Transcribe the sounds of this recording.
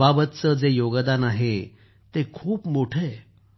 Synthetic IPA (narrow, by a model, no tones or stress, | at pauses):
abət̪̚t͡səd͡zejoɡd̪anaɦe | t̪ekʰuːpmoʈʰe